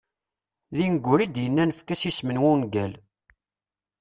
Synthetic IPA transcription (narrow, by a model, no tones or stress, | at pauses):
ðinəɡʷːʊɾid̪jənːænəfkæsismənwunɡæl